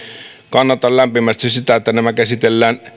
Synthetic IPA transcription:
kɑnːɑt̪ɑllæmpimæst̪issit̪æet̪ːænæmækæsit̪elːæːn

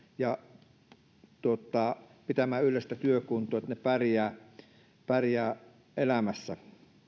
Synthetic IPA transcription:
jɑ | t̪uot̪ˑɑˑ | pit̪æmæːylˑest̪æt̪yøkunt̪ˑoːet̪nepærjæː | pærjæː | ʔelæmæsːæ

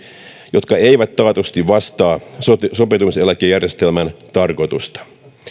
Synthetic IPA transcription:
jo̞t̪kɑe̞iʋæt̪ːɑːt̪ust̪iʋʋɑst̪ɑːssopet̪uselækejærjest̪elmænt̪ɑrko̞t̪ust̪ɑ̥

